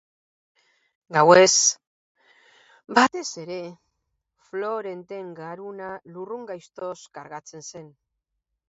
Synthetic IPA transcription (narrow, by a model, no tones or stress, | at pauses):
ɡawe̞s | bat̪e̞se̞ɾe̞ | flo̞ɾe̞nt̪e̞ŋɡaɾunaluruŋɡajst̪o̞skaɾɣat͡se̞nse̞n